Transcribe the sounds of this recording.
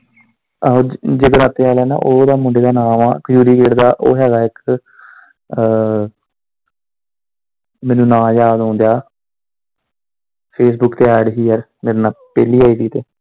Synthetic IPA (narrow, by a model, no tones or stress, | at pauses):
aɦoːd͡ʒeɡəɾaːt̪eːaːlɛːna̰ːʔoːd̪aːmʊ̃ɳɖeːd̪aːnaːmaːkjuːɾiːkeːɖd̪aːʔo̰ːɦɛːɡaːɪk | mɛ̃ːnũːnãːd͡ʒaːd̪õːnd̪jaː | pʰeːs̬bʊkt̪eːɛːɖɦiːɦɛɾ | meːɾnaːpɛːliːaːiːt̪iːt̪eː